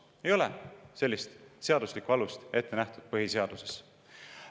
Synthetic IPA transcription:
e̞jo̞lese̞lʲːist̪se̞ɑd̪uslikuɑlust̪e̞t̪ːˑe̞næht̪ud̪̥̚pɤɦise̞ɑd̪̥use̞̥s

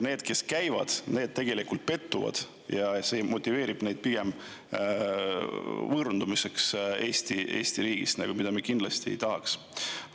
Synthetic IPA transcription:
ne̞ːd̪̥̚ke̞skæjvɑ̰d̪̥ne̞ːd̪̥̚t̪e̞ɡ̥e̞likult̪̚pe̞t̪ːuvɑ̰d̪̥ | jɑse̞ːmo̞t̪ʲˑːive̞ːɾib̥ne̞jd̪̥̚piɡ̥e̞m | vɤːɾnd̪umise̞kse̞ːsʲt̪ie̞̰ːsʲt̪iɾiːɡ̥ist̪nɑ̰ɡ̥umid̪̥ɑmekind̪lɑst̪iḛjt̪ɑɦɑks

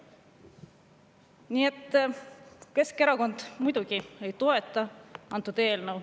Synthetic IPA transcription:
niːe̞t̪ˑː | ke̞ske̞ɾɑko̞nd̪̥mujd̪̥uɡ̥ie̞jt̪o̞e̞t̪ˑːɑɑnt̪ːˑud̪̥e̞ːlnəw

